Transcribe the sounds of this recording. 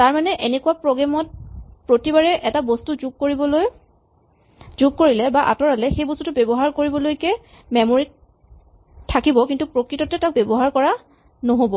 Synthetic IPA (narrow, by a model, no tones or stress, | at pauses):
taɹmanɛʔenɛkuwapɹɔɡamɔt̚pɹotibaɹɛʔɛtabɔstuzuɡ̚koɹibɔloj | zuɡkoɹilɛbaʔa̰tɔɹalɛxejbɔstutʊbɛbɔɦaɹkoɹibɔlojkɛ | mɛmoɹitʰ | akibɔkintupɹokɹitɔtɛtak̚bɛbɔɦaɹkɔɹa | noɦobɔ